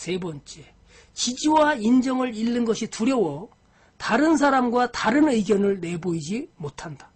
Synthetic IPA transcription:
se̞bʌnt͡ɕ͈e̞ | t͡ɕid͡ʑiwaind͡ʑʌŋɯɭiɭːɯnɡʌɕʰituɾjʌwʌ | taɾɯns̬ʰaɾamɡwataɾɯnɯjɡjʌnɯɭne̞boid͡ʑimotʰandḁ

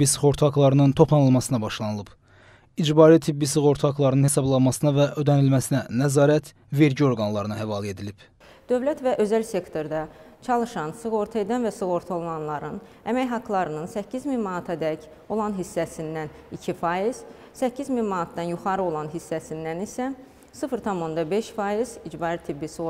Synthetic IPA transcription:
bisɯχo̞ɾt̪ʰɑklˠɑɾɯnɯnt̪ʰo̞pʰlˠɑnɯlˠmɑsɯnɑbɑʃlˠɑnɯlˠɯb | id͡ʒbɑːɾit̪ʰibːisɯɣo̞ɾt̪ʰɑklˠɑɾɯnɯnhe̞sɑblˠɑnmɑsɯnɑvæʔød̪ænilmæsinænæzɑːɾæt̪ʰ | ve̞ɾɟio̞ɾɡɑnlˠɑɾɯnɑɦævɑlˠe̞d̪ilib̥ | d̪̥ø̞vlæt̪væʔø̞zælse̞kt̪ʰo̞ɾd̪ɑt͡ʃʰɑlˠɯʃɑnsɯɣo̞ɾt̪ʰɑe̞d̪ænvæsɯɣo̞ɾt̪ʰolˠlˠɑnlˠɑɾɯn | æmæjɦɑklˠɑɾɯnɯnsæcʰːizminmɑnɑt̪ʰɑd̪æc | o̞lˠɑnɦisːæsind̪æn | icʰifɑjiz̥ | sæcʰːizminmɑnɑt̪̚d̪ɑnjuχɑɾɯo̞lˠɑnɦisːæsind̪ænisæ | sɯfɾt̪ʰɑmo̞nd̪ɑbe̞ʃfɑiz̥id͡ʒbɑɾit̪ʰibːisɯ

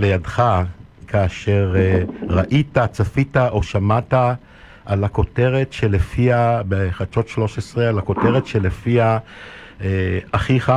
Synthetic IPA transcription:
lejadχa | kʰaːʃe̞ʁʁaʔitat͡safitaʔo̞ʃamata | ʔalako̞teʁe̞tʃelefiabeχat͡ʃo̞tʃlo̞ʃesʁealako̞te̞ʁetʃele̞fia | eaχiχa

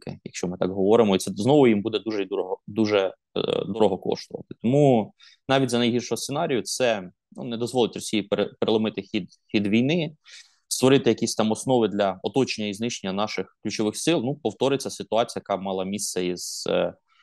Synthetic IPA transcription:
kɪ̰jɐkʃt͡ʃɔmɪt̪ɑkɦɔʋɔɾɪmɔit̪sɛznɔʋʊjimbud̪ɛd̪uʒɛid̪uɾɔɦɔd̪uʒɛ | d̪ɔɾɔɦɔkɔ̰ʃt̪ʊʋɐ̰t̪ɪ̥t̪ɔmu | nɑʋʲitʲzɐnɐjɦirʃɔɦɔsenɑɾʲijʊt̪sɛ | nṵnɛd̪ɔzʋɔlˠɪtʲrɔsʲijipeɾpeɾelˠɐmɪt̪ɪxʲid̪ | xʲid̪ʋʲijnɪ | st̪ʋɔɾɪt̪ɪjɐkʲisʲt̪ɑmɔsnɔʋɪd̪lʲɐɔt̪ɔt͡ʃenʲːɐiznɪʃenʲːɐnɑʃɪxklʲʉt͡ʃɔʋɪxsɪlˠnupɔwt̪ɔɾɪt͡sʲɐsɪt̪ʊɑt͡sʲijɐjɐkɑmɑlˠɐmʲist̪sɛiz̥

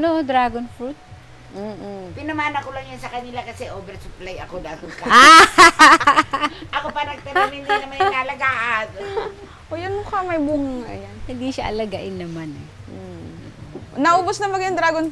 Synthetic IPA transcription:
noʔd̪ɾaːɡonfɾut̪̩̚ː | pɪnɐmaːnɐkolɐŋjansɐkɐnɪlakɐsɛʔoːbɛɾsʊplajɐkod̪aːt̪ɪnkɐa | ʔɐkopɐnɐɡ̚t̪ɐamɪnnɐmannalɐɡaːʔɐn | ʔojɐnʊkɐmɐjbuŋaŋa̰janhɪnd̪iʃɐʔɐlɐɡaʔɪnːɐmanɛ | nɐʔoːbosnɐmɐɡjʊŋd̪ɾaːɡon

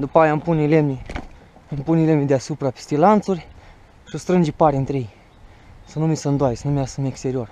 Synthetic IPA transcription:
d̪upajampunilemʲi | ampunilemid̪easupɾape̥st̪ilant̪surʲ | ʃɨst̪ɾɨnd͡ʒepaɾʲent̪ɾejej | sənumisəɨnd̪oajesənumeasəmekst̪eɾio̞r

